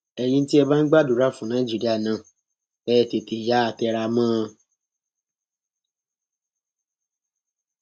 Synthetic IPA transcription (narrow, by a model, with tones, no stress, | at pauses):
ɛ˧j̃ĩ˧n̩˦ti˦ɛ˧ba˦n̩˦ɡ͡ba˦du˨ɾa˦˨fũ˨nã˦ĩ˦d͡ʒi˦ɾi˦a˦˨nã˨ | ɛ˦˧˨te˨te˨ja˨˦a˧tɛ˧ɾa˧mãː˦